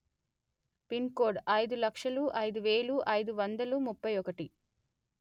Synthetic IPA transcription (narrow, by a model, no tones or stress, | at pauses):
pinko̞ːɾɖɐjd̪ulɐkʂɐluʔɐjd̪uʋe̞ːɭuʔɐjd̪uʋɐnd̪ɐlumupːɐjɔkɐʈi